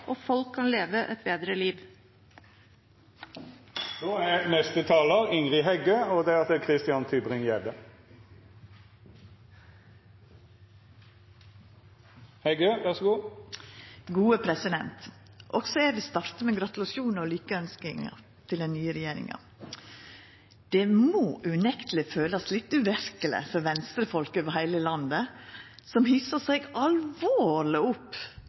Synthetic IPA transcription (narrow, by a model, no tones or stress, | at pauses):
ʔoːfɔlkʰːɑnleːʋəʔɛt̪̚beːd̪ɾəliːʋ | d̪oːɛnɛst̪ət̪ʰɑːləʁɪŋʁɪɦɛɡøːɔd̪ɛɑt̪ɛkʰʁɪst̪ɪɑnt̪ʰʏbʁɪŋjɛd̪ə | hɛɡøːʋæʁsɡuː | ɡuːəpʰɾɛsɪd̪ɛ̰nt̪ʔɔɡsɔæʋɪst̪ɑɾt̪əmeːɡɾɑt̪ʉlɑʃuːnolyːkəœnskɪŋə̰ | t̪ʰɪld̪ɛnnːyːəɾɛjeːɾɪ̰ŋɑ̰ | d̪̥emoːʔʉnɛkt̪əl̩ɪføːlɑslɪt̪ʉʋæɾkələ̰fɔɾʋɛnst̪ɾəfɔlkəʋɑhæɪləlɑnd̪əsɔmhiːsəseːɡɑlʋoːlɪʊpː